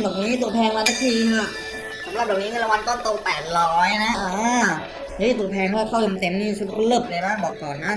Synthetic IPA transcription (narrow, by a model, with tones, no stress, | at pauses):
bɔː˨˩k̚niː˨˦˥t̪u˨˩tpʰɛː˧ŋmaː˧t̪ʰa˧˥k̚pʰiː˧ŋ˧˩ | sa˨˦ma˨˩p̚bɔː˨˩k̚ni˦˥a˧˥˨la˧wa˧nt̪o˥˩nt̪o˧k̚pɛː˨˩t̪̚lɔː˦˥jna˦˥ʔaː˧˩ | hɤ˦˥˨t̪u˨˩t̪pʰɛː˧ŋpʰaː˥˩waː˧˩kʰaː˥˩wjo˧mt̪e˧˦mniː˧˩sɯ˧˦˩lɯ˧˩p̚lɤː˧jbaː˧˥˩ŋbɔː˨˩k̚kɔː˨˩nːa˦˥˩